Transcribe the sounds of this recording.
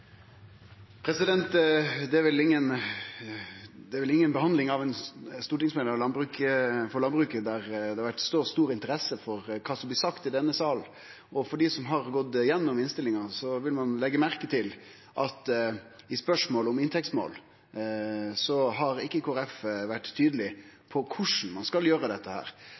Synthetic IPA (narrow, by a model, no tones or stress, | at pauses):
pʰɾɛsɪd̪ɛnt̪d̪ɛæɾʋɪlɪŋːən | d̪ɛʋɪlɪŋːənbəhɑnd̪lɪŋɑʋɛnst̪uːʈɪŋsmɛd̪əlɑnbɾʉːkfɔlɑnbɾʉːkəd̪æɾd̪ɛhɑʋæʈst̪oːst̪uːɾɪnt̪əɾɛsəfɔɾkʰɑːsɔmblɪːsɑkt̪ɪd̪ɛnːəsɑːln̩ | ʔɔfɔɖiːsɔmɦɑɾɡɔt̪ːɪjɛnːɔmɪnst̪ɪlːɪŋɑsɔʋɪlmɑnlɛɡːəmæɾkət̪ʰɪl | ʔɑt̪ɪspœʂmoːləɔmɪnt̪ʰɛkst̪mo̰ːl | sɔɦɑɾɪkːəkʰoːɾɛfʋæʈ̪ʰːyːd̪əlɪpʰɔkʰʊʂn̩mɑnskɑljøːɾəd̪ɛt̪ːəhæ̰ːɾ